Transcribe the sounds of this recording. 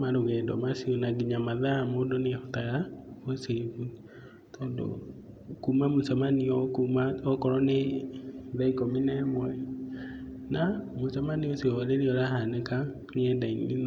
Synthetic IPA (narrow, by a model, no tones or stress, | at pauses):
maɾoɣɛdɔmasionaɡiɲamaðamodonehɔtaɣaoseβu | tʰɔːndo̰ | kumamosamaniɔkumaɔkɔɾɔneðaikominɛmwai | namosamanioseɔleɾeɔɾaɦaneka | neɛdainin